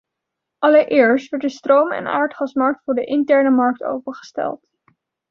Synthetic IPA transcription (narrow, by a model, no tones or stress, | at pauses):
ʔɑləɹʔɪːɹstʋɛɹtdəstrowmɛ̰na̰ːɹtχɑsmɑɹk̚tfʊːɹdəʔɪntɛɹnəmɑɹk̚to̰wpəχə̥stɛ̰lˠt